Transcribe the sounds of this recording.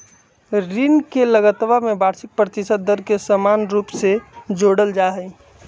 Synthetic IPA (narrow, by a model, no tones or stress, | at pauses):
ɾinkeləɡət̪bamẽbaːɾsɪk̚pɾət̪ɪsət̪̚d̪əɾkesəmaːnɾuːpsed͡ʒoːɽəld͡ʒaɦəi